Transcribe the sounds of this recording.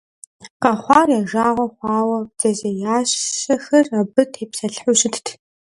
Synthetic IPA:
qɐχʷɑːrjaːʒaːʁʷɐχʷɑːwɐb̚d͡zɐzɐjaːɕɐxɐrabɨtʰeːpsɐɬħʊɕɪtʰtʰ

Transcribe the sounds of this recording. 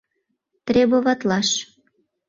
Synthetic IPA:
t̪ɾʲebə̆βɑt̪lɑʃ

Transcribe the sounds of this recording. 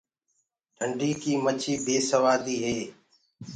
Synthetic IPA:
ɖʰʱəɳɖiːkiːmət͡ʃʰiːbeːsəʋaːd̪iːɦeː

